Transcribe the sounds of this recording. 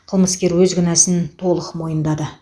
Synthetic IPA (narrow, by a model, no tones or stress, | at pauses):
qʰəlˠməskʲe̞ɾwɵzɡʲʏnæsɪnt̪ʰo̞lˠəqmo̞jənd̪ɑd̪ə